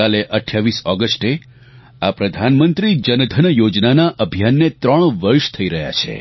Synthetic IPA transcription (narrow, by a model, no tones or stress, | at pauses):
aleʔəʈʰjaʋisɔɡəsʈe | apɾəd̪ʱanmənt̪ɾid͡ʒənəd̪ʱənjod͡ʒnanaʔəbʱijanːet̪ɾəɳ̃ʋəɾʃt̪ʰəiɾəɦja̰t͡ʃʰḛ